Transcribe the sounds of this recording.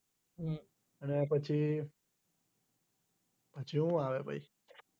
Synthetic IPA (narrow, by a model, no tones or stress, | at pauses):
ɦ | ənep̬ət͡ʃʰi | pət͡ʃʰiɦũaʋebʱa̰i